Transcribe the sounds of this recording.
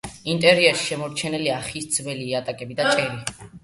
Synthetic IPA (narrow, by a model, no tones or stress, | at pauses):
int̪ʼɛɾiaʃi̥ʃɛmɔɾt͡ʃʰɛnɛliaχisd̪zvɛliːat̪ʼakʼɛbid̪at̪ʼɛɾi